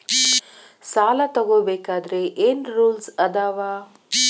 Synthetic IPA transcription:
saːlat̪ɐɡoːbeːkaːd̪ɐɾeʔeːnɾuːlsɐd̪aːʋaː

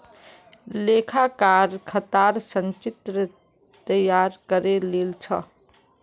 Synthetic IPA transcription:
leːkʰakaɾkʰət̪aɾsə̃nt͡ʃit̪ɾə | t̪əjaɾkəɾelelt͡ʃʰə̰

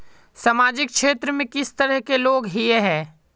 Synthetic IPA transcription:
samaːd͡ʒɪkkʃeːt̪ɾəmẽkɪst̪əɾəɦkeloːɡɦieɦɛ̃ː

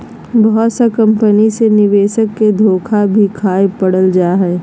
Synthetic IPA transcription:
bɔɦʊt̪sakɐ̃mpənisenɪʋeːʃəkːed̪ʱoːkʰabʱikʰaːepɐɽəld͡ʒaːɦɛː

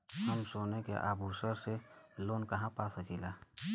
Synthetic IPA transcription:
ɦəmsoːnekḛʔa̰ːbʱuːsəɾseloːnkəɦãpasəkʰiːlaː

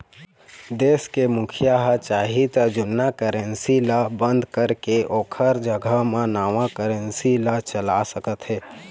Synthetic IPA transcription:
d̪eːskemʊkʰijaɦət͡ʃaːɦit̪əd͡ʒʊnːakəɾə̃nsilabə̃nd̪ʱkəɾkeʔoːkʰəɾd͡ʒəɡʱamẽnaːʋakəɾənsilat͡ʃəlasəkət̪ɦɛː

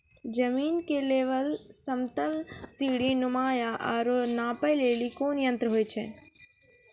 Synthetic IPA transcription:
d͡ʒɐmiːnkeleːʋəlsəmt̪əlsiːɽinʊmaːjaʔaːɾonaːpəleːlikoːnjə̃nt̪ɾəɦoːjt͡ʃʰɛ

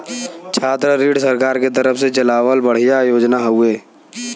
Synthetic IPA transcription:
t͡ʃʰaːt̪ɾəɾiːɽsɐɾkaːɾket̪əɾəfset͡ʃɐlaːwəlbɐɽ̤ijajoːd͡ʒnaɦʊeː

